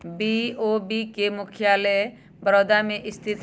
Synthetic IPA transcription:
biobikemʊkʰjaːlɛ | bɾɔd̪amẽʔɪst̪ʰit̪

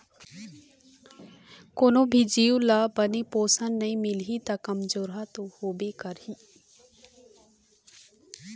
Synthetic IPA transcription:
konõbʱid͡ʒiːwlabənipoːsənnɐĩmɪlɦit̪akɐmzoːɾɦat̪ohoːbekəɾĩ

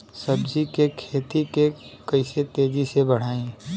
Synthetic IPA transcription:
səbd͡ʒikekʰeːt̪ikekəɪset̪eːd͡ʒisebəɽ̤aːẽ

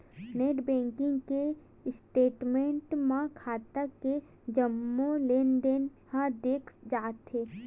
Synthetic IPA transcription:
neːʈbɛ̃ːŋkɪ̃ŋɡke | sʈeːʈmẽɳʈmãkʰaːt̪ake | d͡ʒəmːoleːnɖen | hãd̪eːkʰd͡ʒaːt̪ːeː

